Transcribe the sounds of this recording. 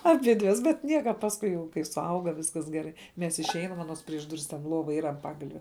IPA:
ɐˈbʲɪdʲʋʲɛs bʲɛt ˈnʲiɛkɐ pɐsˈkʊɪ jɛʊ kɐɪ sʊˈɐʊɡɐ ˈʋʲɪskɐs ɡʲɛˈrɐɪ ˈmʲɛs ɪʃʲˈɛɪnɐm ɐˈnoːs pʲrʲiɛʃ ˈdʊrʲɪs tʲɛn ˈlˠoːʋɐ ˈiːrɐ ɐn ˈpɑːɡɐlʲʋʲɛ

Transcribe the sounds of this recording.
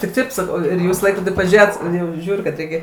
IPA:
tʲɪk ˈtɐɪp sɐˈkɐʊ ˈjuːs iː ˈlˠɐɪkroːdʲiː pɐˈʒʲeːjoːt ˈjɛʊ ˈʒʲuːrʲʊ kɐt ˈrʲɛɪkʲɛ

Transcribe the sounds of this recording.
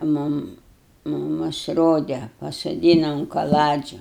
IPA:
ˈmʊm mʊˈmʊs ˈroːdʲɛ pɐsoːˈdʲiːnɐ ʊn kɐˈlˠɑːd͡ʒʲʊ

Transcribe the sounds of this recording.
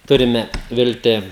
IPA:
ˈtʊrʲɪmʲɛ ˈʋʲɪlʲtʲɪ

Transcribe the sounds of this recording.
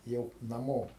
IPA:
ˈjɛʊ nɐˈmoː

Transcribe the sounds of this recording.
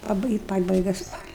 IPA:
pɐˈbɨɪ pɐbɐɪˈɡɐ ˈspɑːlʲɛ

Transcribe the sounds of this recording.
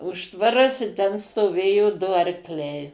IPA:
ˈʊʃtʋɐrɐs ɪ ˈtʲɛn stoːˈʋʲeːjoː ˈdʊ ɐrkˈlʲɛɪ

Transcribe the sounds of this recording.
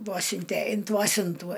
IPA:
ˈʋuɔsʲɪnʲtʲɛ ɪnt ˈʋuɔsʲɪntuː

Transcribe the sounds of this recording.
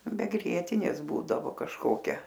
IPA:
bʲɛ ˈɡrʲiɛtʲɪnʲeːs ˈbuːdɐʋoː kɐʃˈkoːkʲɛ

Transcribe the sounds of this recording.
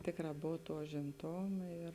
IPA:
ˈtʲeːkˌrɑː ˈboːw ˈtuɔ ʊʒʲɪmˈtoːmɐ ɪr

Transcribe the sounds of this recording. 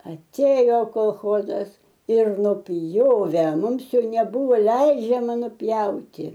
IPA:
ɐˈtʲeːjoː koːlˠˈxoːzɐs ɪr nʊˈpʲjoːʋʲɛ ˈmʊms ˈjɛʊ nʲɛˈbʊʋoː ˈlʲɛɪd͡ʒʲɛmɐ nʊˈpʲjɛʊtʲɪ

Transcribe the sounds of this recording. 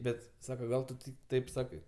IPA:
ˈbʲɛt ˈsɑːkɐ ˈɡɐlˠ tʊ tʲɪk ˈtɐɪp ˈsɑːkɐɪ

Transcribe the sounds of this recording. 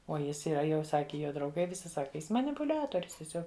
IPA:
oː ˈjɪs iːˈrɐ jɛʊ ˈsɑːkʲɪ ˈjoː drɐʊˈɡɐɪ ʋʲɪˈsʲɪ ˈsɑːkʲɪ ˈjɪs mɐnʲɪpʊˈlʲæːtoːrʲʊs tʲiɛˈsʲoːk

